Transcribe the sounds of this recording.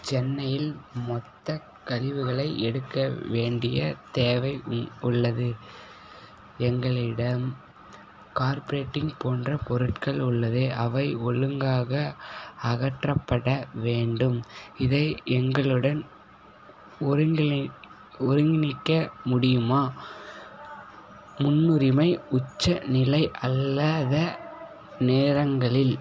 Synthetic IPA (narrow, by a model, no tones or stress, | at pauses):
t͡ʃɛnːɐjɪlmɔt̪ːɐ | kɐlɪʋɯɣɐɭɐɪʔɛɽɯkːɐʋeːɳɖɪjɐt̪eːʋɐɪʊɭːɐðɯ | ɛŋɡɐɭɪɽɐm | kaːɾpɐɾeːʈːɪŋpoːndrɐpɔɾɯʈkɐɭʊɭːɐðɯʔɐʋɐɪɔɭɯŋɡaːɣɐɐɣɐʈrɐpːɐɽɐʋeːɳɖɯmɪðɐɪɛŋɡɐɭɯɽɐn | ɾɡ | ʊɾɯŋɡɪnɪkːɐmʊɽɪjɯmaː | mʊnːɯɾɪmɐɪʊt͡ʃːɐnɪlɐɪʔɐlːaːðɐ | neːɾɐŋɡɐɭɪl